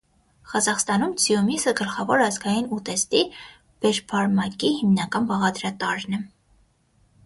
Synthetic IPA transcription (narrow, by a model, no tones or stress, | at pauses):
χɑzɑχst̪ɑnumt͡sʰijumisəɡəlχɑvɔɾɑzɡɑjinut̪ɛst̪i | b̥ɛɾbʰɑɾmɑkihimnɑkɑnbɑʁɑd̪ɾɑt̪ɑɾnɛ